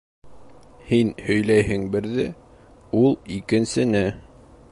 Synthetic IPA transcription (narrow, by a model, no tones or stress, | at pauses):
hinhɵ̆jlæjɦɘŋbɘ̆ɾðɘ | ulˠikɘ̆nsɘ̆nɘ